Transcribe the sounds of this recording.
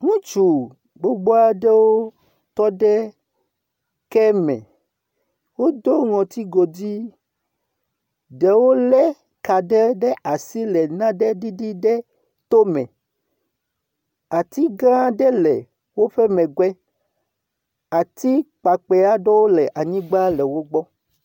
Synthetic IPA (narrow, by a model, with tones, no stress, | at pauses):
ŋũ˦t͡ʃu˨ | ɡ͡bo˦ɡ͡bo˦a˦ɖɛ˦wo˦ | t̪ɔ˦ɖɛ˦ | kɛ˦mɛ̰̃˨ | wo˦d̪o˦ŋɔ̃˨t̪i˦ɡo˨di˦ | ɖɛ˨wo˦lɛ˦ | ka˨ɖɛ˦ɖɛ˦ʔa˨si˦lɛ˨nã˦ɖɛ˦ɖi˦ɖi˦ɖɛ˦ | t̪o˦mɛ̰̃˨ | a˨t̪i˦ɡã˦ɖɛ˦lɛ˨ | wo˦ɸɛ˦mɛ̃˨ɡwɛ˦ | a˨t̪i˦k͡pa˨k͡pɛ˨a˦ɖɔ˦wo˦lɛ˨ʔa˨ɲĩ˦ɡ͡ba˦lɛ˨wo˦ɡ͡bɔ˦